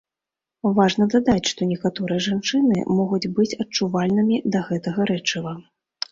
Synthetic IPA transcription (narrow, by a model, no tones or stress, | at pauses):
vaʐnɐd̪ad̪at͡sʲʂt̪ɔnʲɛkat̪ɔɾɨjɐʐant͡ʂɨnɨ̰mɔɣud͡zʲbɨt͡sʲɐt͡ʂuvalʲnɨmʲid̪ɐɣɛt̪ɐɣɐɾɛt͡ʂɨvɐ